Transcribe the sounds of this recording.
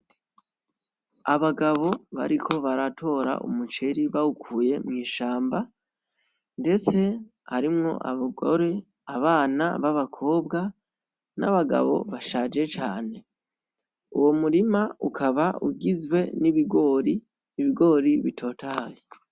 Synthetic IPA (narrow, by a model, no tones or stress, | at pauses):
aβaɡaβo̞βa̰ɾikʰo̞βaɾatʰo̞ːɾa̰ʔṵmut͡ʃe̞ɾiβaukʰuːje̞mŋiːʃaːmba | nde̞t͡se̞ | haɾimŋo̞̰ʔa̰βɡo̰ɾe̞ | aβaːna̰βaβakʰo̞ːbɡa | na̰βaɡa̰βo̞̰βaʃaːd͡ʒe̞t͡ʃaːne̞ | uwo̞muɾimaukʰaβaṵɡizwe̞niβiɡo̞ːɾiː | βiɡo̞ːɾiβitʰo̞ːtʰaːje